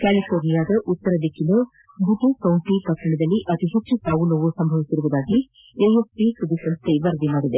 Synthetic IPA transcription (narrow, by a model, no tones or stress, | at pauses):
kaːlifʰoːɾnijaːd̪ɐʔut̪ːɐɾɐd̪ikʰːilu | b̪uʈekɐwɳʈikɐʈɾɐɳɐd̪ɐlːiʔɐt̪iɦet͡ʃt͡ʃːut̪aːʋunɐʋusɐmbʱɐʋisiɾuʋud̪aːɡi | eːjespisɾɐd̪isɐnst̪ʰeʋɐɾd̪imaːɾid̪e